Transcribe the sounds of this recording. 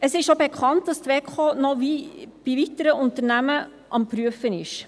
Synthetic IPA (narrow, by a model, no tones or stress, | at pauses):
ɛsɪsʃobɛkʰɑnt̚d̥ɑst̪ʋɛkʰχoːnoʋiːb̥iʋɪtəɾəʔʊnt̪ənæmə | ʔɑmpɾyəfənɪʃ